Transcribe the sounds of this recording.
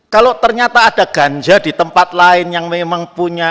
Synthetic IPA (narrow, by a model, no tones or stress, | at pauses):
kalot̪ərɲat̪aːd̥aɡ̥aɲd͡ʒad̥it̪əmpat̪̚laɪnjaŋmemaŋpuɲa